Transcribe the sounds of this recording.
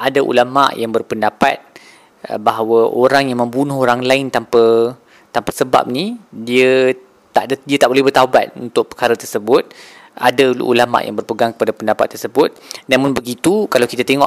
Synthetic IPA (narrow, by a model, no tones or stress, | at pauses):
adaʔṵlama̰ʔjaŋbərpəndapa̰t̪̚ | ə̰baɦawəoɾaŋjaŋmə̃mbunũɦoɾaŋlaɪnt̪ampa | t̪ampasəba̰p̚nidiə | t̪aʔddiət̪aʔbolɛhbərt̪aba̰t̪̚ṵnt̪ʊk̚pəkaɾət̪ərsəbʊt̪̚ | a̰dal̰ʔṵlama̰ʔja̰ŋbərpəɡaŋkə̥padapəndapa̰t̪ːərsəbʊt̪̚namʊ̃nbəɡit̪ukalawkit̪at̪eŋɔʔ